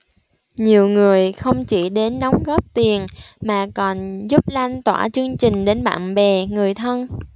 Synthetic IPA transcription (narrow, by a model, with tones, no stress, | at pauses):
ɲi˨˩əwŋɨ˨˩əjxə˧wŋ͡mt͡ɕi˧˩ɗe˨˦nːɔ˨˦wŋ͡mɣɔ˦˥p̚t̪i˨˩ənmaː˨˩kɔ˨˩nzu˦˥p̚la˧jŋ̟t̪wa̰ː˧˩t͡ɕɨ˧əŋt͡ɕï˨˩ŋ̟ɗe˨˦nɓa̰ː˧˨nɓɛ˨˩ŋɨ˨˩əjt̪ʰə˧n